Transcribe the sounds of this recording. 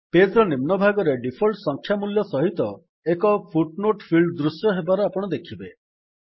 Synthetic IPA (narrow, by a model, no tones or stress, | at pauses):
pesɾɔnimnɔbʱaɡɔɾeɖipʰɔlʈsɔŋkʰjamuljɔsɔɦit̪ɔ | ekɔpʰuʈnoʈpʰilɖd̪ɾusjɔɦebaɾɔapɔɽ̃ɔd̪ekʰibe